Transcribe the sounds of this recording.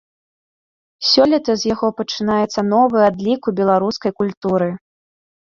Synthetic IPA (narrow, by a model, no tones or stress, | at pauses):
sʲɔlʲit̪ɐzʲjaɣɔpɐt͡ʂɨnajɛt̪sːɐnɔvɨad̪lʲikubʲɛlˠaɾuskɐjkulʲt̪uɾɨ